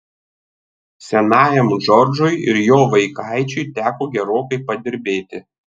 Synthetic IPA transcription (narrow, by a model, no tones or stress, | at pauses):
sʲɛnɑːjɛmʒɔɾd͡ʒʊɪɪɾjoːʋɐɪkɑɪt͡ʃʲʊɪt̪ʲæːkoːɡʲɛɾoːkɐɪpɐd̪ʲɪɾʲbʲeːt̪ʲɪ